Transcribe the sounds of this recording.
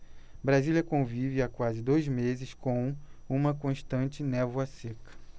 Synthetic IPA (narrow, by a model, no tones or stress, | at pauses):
bɾaziliɐkõvivɪakwazɪd̪ojzmezɪskõw̃ũmɐkõʃt̪ɐ̃t͡ʃɪnɛvuɐsekɐ̥